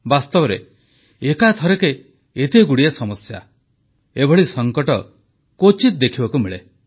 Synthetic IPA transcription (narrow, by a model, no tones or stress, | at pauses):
bast̪ɔbɔɾe | ekat̪ʰɔɾekeː | t̪eɡuɽiasɔmɔsja̰ | ebʱɔɭisɔŋkɔʈɔ | kot͡ʃit̪̚d̪ekʰibakumiɭḛ